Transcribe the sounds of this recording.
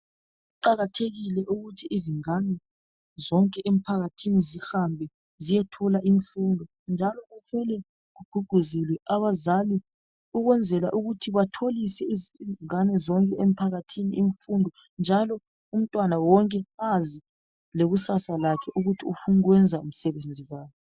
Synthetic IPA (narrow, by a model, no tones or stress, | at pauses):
ɣuǃaɣatʰeɣilɛʔuɣutʰiʔːziŋanɛ | zɔŋkʼɛʔem̩pʰaɣatʰinizixambʱɛ | zijɛtʰɔlaʔiɱfundʱɔ | nd͡ʒʱalɔɣufɛlɛ | ɣuɡ̥ʱuɡ̥ʱuzilwɛaβazali | uɣwɛnd͡zʱɛlaʔuɣutʰiβatʰolisɛizzŋanɛzɔŋkʼɛem̩pʰaɣatʰiniiɱfundʱɔ | nd͡ʒʱalɔ | um̩tʼwanawɔŋkʼɛazi | leɣusasalakʰɛʔuɣutʰiufuniɣwɛnd͡zʱaum̩sɛβend͡zʱiβaːkɛ